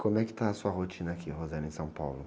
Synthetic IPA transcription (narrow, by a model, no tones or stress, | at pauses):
kõmʊɛkɪ̥t̪aɐsuɐɦot͡ʃĩnɐakʰiɦozɛ̃nʊẽj̃sɐ̃w̃pawlʊ